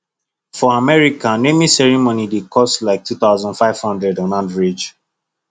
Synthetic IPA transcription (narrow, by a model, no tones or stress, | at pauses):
fɔamɛɹikãnemisɛɹimonidekʰɔstlaɪk̚tʰut̪aʊzɔ̃ndfaɪv̥hɔ̃ndɹɛdɔ̃nãnvɹid͡ʒ